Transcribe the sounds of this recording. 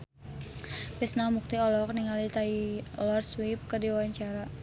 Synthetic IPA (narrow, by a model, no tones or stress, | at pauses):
pɛsnamuk̚t̪iɔlɔk̚niŋalit̪ailɔrswip̚kərdiwwaɲt͡ʃaɾa